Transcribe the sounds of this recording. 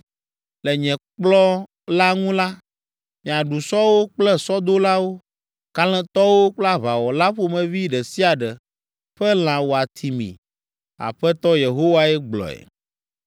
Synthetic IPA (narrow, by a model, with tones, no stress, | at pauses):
lɛ˨ɲɛ̃˨k͡plɔ˦ | la˦ŋũ˦la˦ | mĩ˨a˨ɖu˨sɔ˦wo˦k͡plɛ˦sɔ˦d̪o˦la˦wo˦ | ka˦lɛ̃˦t̪ɔ˦wo˦k͡plɛ˦a˦βa˨wɔ˨la˦ɸo˦mɛ̃˨vi˦ɖɛ˨si˦a˨ɖɛ˨ | ɸɛ˦l̃ã˨wo˨a˨t̪ʰi˨mḭ̃˨ | a̰˨ɸɛ˦t̪ɔ˦je˨ɦo˦wa˦ɛ˦ɡ͡blɔ̰˨ɛ̰˨